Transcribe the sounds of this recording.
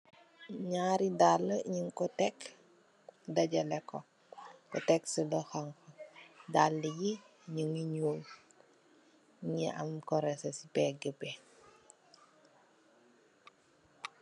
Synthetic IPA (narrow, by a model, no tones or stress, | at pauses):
ɲaːɾidalːəɲiŋkɔtɛk | dɐɟɐlɛkɔ | kɔ̰tɛksəlɔxaŋkɔdalːəɡi | ɲuŋiɲuːl | ɲiʔɐmkɔɾɛsɐsipɛːɡəbɛ